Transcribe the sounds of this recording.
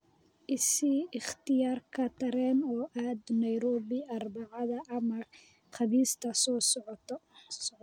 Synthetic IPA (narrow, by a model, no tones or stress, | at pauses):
ʔɪsiɪχt̪ʰɪjaːrkʰɐt̪ʰɐɾɛːnɔːʔaːd̪nɐjɾɔːβɪɐrbɑʕɑðɐɐmɐ | χɑβiːst̪ʰɐsɔ